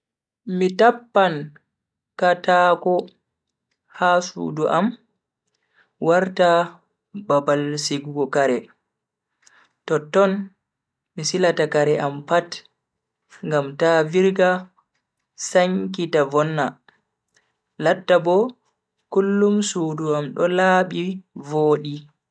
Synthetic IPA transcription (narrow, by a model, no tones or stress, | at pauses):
mitapːan | katakɔ | hasṵduʔam | waɾta | babalsiɡuɡɔkaɾɛ | tɔtːɔn | misilatakaɾɛʔampat | ŋɡamtaviɾɡa | saŋkitavɔnːa | latːabɔ | kulːumsuduamɗɔlaɓivoːɗi